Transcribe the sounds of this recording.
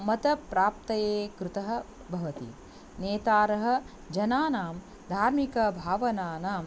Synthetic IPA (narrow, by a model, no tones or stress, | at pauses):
mɐt̪ɐpɾaːpt̪ɐjeːkɾut̪ɐɦɐ̆ | bʱɐʋɐt̪ḭ | neːt̪aːɾɐɦɐ̆ | d͡ʒɐnaːnaːm | d̪ʱaːɾmikɐbʱaːʋɐnaːnaːm